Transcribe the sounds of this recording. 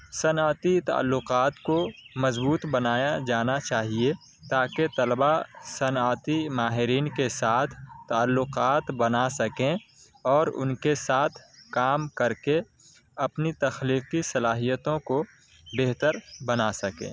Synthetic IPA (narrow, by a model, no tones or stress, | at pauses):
sɐnaːt̪it̪a̰ə̰lːʊqaːt̪komɐzbuːt̪bɐnaːjad͡ʒaːnat͡ʃaːɦie | t̪aːket̪ɐlbasɐnaːt̪imaːɦɪɾiːnkesaːt̪ʰt̪ːaəlːʊqaːt̪bɐnasɐkẽ | ɔːɾʊ̰nkesaːt̪ʰkaːmkɐɾke | ɐpnit̪ɐxliːfisɐlaːɦijət̪õko | beɦt̪əɾbɐnasɐkḛ̃ː